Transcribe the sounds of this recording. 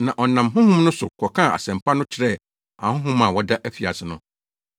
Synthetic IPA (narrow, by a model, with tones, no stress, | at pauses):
nã˨ʔɔ˨nã˨mɦʊ̃˦hʊ̃˦mnʊ̃˦sʊ˨kʰɔ˨kʰã˦˨a̰˨sɛ̃˨mpʰa˦nʊ̃˦t͡ɕʰɪ˨ɾɛ˦˨ | ã̰˨hʊ̃˦ɦʊ̃˦mã˨wɔ˦da˦ʔæ˦fi˨a˨sɪ˨nʊ̃˦